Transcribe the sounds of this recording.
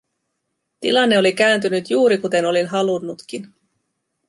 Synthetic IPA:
t̪ḭlɑnːe̞o̞lik̟æːnt̪ynyt̪juːɾikut̪e̞no̞linɦɑlunːut̪k̟in

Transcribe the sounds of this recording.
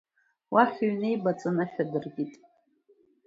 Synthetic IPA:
waħʲɥnejbat͡sʼanaħʲᶣadɨrɡʲitʼ

